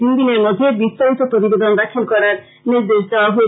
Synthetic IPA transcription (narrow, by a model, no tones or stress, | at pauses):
ind̪ineɾmod̪ʱːebist̪aɾit̪opɾot̪ibed̪ɔnɾakʰilkɔɾaɾ | niɾd̪esd̪eoaɦoe